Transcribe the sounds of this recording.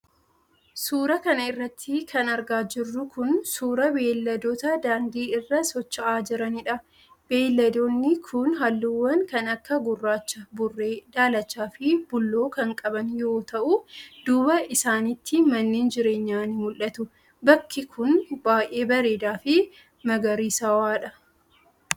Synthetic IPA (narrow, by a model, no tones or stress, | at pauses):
suːɾɐkɐnɐɪrːɐt̪ʰːɪkʰɐnɐɾɡaːd͡ʒɪrːʊkʊnsuːɾɐbe̞ːlːɐd̪ot̪ɐd̪aːnd̪iːɪrːɐsɔt͡ʃːɐʔaːd͡ʒɪɾɐnɪᶑɐ | b̥e̞ːlːɐd̪oːnːɪkʰʊnɦalːuwːɐnkɐnɐkːɐɡʊrːaːt͡ʃːɐbʊrːeːd̪aːlɐt͡ʃːaːfɪb̥ʊlːo̞ːkɐŋkʼɐbɐnjo̞ːt̪ɐʔʊd̪̥uːbɐʔɪsaːnɪt̪ːɪmɐnːeːnd͡ʒɪɾe̞ːɲːaːnɪmʊlʔɐt̪ʊ | bɐkʰːɪkʰʊnbaːjʔe̞ːbɐɾe̞ːd̪aːfɪ | mɐɡɐɾiːsɐwaːᶑɐ